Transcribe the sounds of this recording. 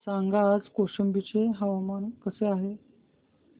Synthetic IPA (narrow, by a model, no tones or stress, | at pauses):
saŋɡad͡zkoɕəmbit͡ɕeɦəʋamankəseaɦe